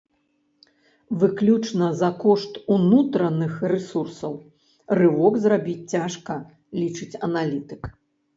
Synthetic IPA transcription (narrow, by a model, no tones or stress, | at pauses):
vɨklʲut͡ʂnɐzɐkɔʂt̪unut̪ɾɐnɨxrɛsursɐw | rɨwɔkzrabʲit͡sʲt͡sʲaʂkɐ | lʲit͡ʂɨt͡sʲɐnalʲit̪ɨk